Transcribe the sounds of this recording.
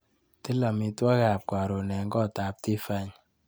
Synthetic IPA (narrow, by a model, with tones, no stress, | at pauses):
ti˦la˨mi˨twɔ˦ka˨p̚kwa˨ɾo˨nɛ˨ŋɡɔ˦˨ta˨p̚ti˦fa˦ɲ